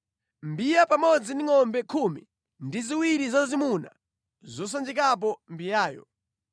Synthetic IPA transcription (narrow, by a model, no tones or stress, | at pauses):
mbijapamɔd͡ziniŋɔmbɛkʰumḭ | ndiziwiɾizazazimuna | zɔs̬and͡ʒik̬ap̬ɔmbijaːjɔ̰